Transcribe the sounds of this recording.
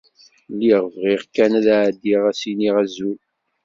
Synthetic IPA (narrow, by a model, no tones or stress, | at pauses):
lːiʁvʁiʁkːænæðaʕd̪ːiʁæsiniʁæzul